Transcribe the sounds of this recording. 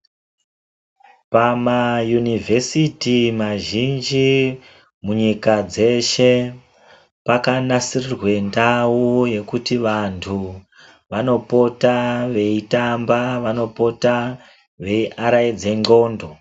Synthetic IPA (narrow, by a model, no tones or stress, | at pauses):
pamajunivʱe̞sitimaʒind͡ʒi | muɲikad͡ze̞ʃe̞ | pakanasirirwe̞ndawuje̞kutiʋantʰu | ʋano̞po̞taʋe̞itambaʋano̞po̞ta | ʋe̞iʔaɾaid͡ze̞ŋ͡ǃo̞ːndo̞